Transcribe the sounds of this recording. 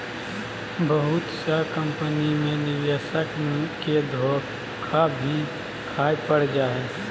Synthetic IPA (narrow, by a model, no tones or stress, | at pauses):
bəɦʊt̪sakə̃mpənimẽnɪʋjəsəkked̪ʱoː | kʰabʱi | kʰaːepəɽ̤d͡ʒaːɦɛː